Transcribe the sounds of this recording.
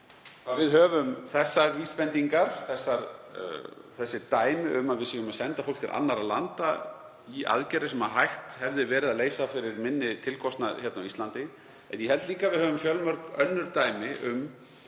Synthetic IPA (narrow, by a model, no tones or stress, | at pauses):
θavɪðɦœːvʏmθɛsːaɾviːspɛnt̪iŋkaɾ̥θɛsːaɾ | θɛsːɪt̪aːjmɪʔʏmaðvɪðsiːɣʏmasɛnt̪afowlkt̪ʰɪɾʔa̰nːaɾalant̪a | iʔa̰ðcɛɾɪsɛmaðɦajht̪hɛvðɪvɛːɾɪðaðleːjsafɪɾɪɾmɪnːɪt̪ʰɪlkʰɔst̪na̰çɛt̪nawist̪lant̪ɪ | ɛ̰njɛhɛlt̪liːŋkavɪðhœːvʏmfjœlmœɾkœnːʏɾ̥t̪aːjmɪʔʏm